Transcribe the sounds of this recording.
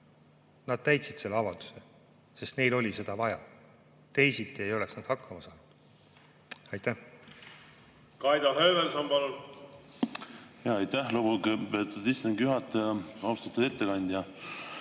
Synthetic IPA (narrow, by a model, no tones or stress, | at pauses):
nɑd̪̥̚t̪æjt̪sid̪̥se̞lːeɑvɑld̪̥u̥se | se̞st̪ne̞jlo̞lʲise̞d̪̥ɑvɑjɑ̰ | t̪e̞jsit̪ːˑie̞jo̞le̞ksnɑd̪̥hɑkːɑmɑsɑːnud̪̥ | ɑjt̪ːæh | kɑjd̪ɑɦøːvelsɑmbɑlun | jɑɑjt̪ːæhlobukepøːt̪ːˑud̪ist̪ɑŋɡjyɦɑt̪ːɑwst̪ɑt̪ːud̪et̪ːeɡɑnʲd̪̥jɑ